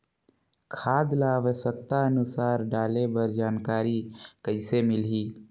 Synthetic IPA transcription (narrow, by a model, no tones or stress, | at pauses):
kʰaːd̪laːʋəʃək̚t̪aənusaːɾɖaːlebəɾd͡ʒaːnkaːɾikəɪsemɪlɦiː